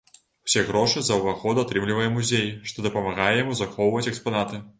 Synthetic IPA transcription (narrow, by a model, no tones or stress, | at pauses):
w̥sʲɛɣɾɔʂɨzɐwvaɣɔd̪at̪ɾɨmlʲivɐjɛmuzʲejʂt̪ɔd̪ɐpɐmaɣajɛjamuzaxɔwvɐt͡sʲɛkspanat̪ɨ